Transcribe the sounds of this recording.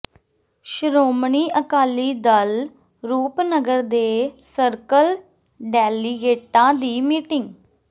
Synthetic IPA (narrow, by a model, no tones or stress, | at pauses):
ʃəɾoːmɳiːʔəkaːliːd̪əl | ɾuːpnəɡəɾd̪eːsəɾkəl | ɖɛːliːɡeːʈãːd̪iːmiːʈɪŋɡ